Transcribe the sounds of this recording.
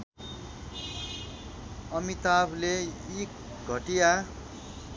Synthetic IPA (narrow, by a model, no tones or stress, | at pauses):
ʌmit̪ableik | ɡʱʌʈija